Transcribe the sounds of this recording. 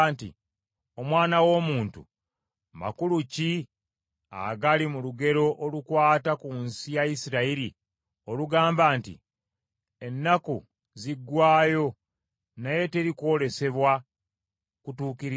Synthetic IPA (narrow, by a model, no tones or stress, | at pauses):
ntḭ | o̞mwaːnawo̞muːntṵ | ma̰kuluci | a̰ɡalimuluɡe̞ɾo̞ʔolukwaːtakunsijaisiɾaiɾi | o̞luɡaːmbaːntḭ | e̞nːakṵ | ziɡːwaːjo̞ | naje̞te̞ɾiko̞ːle̞se̞βwa | kutuːkiɾ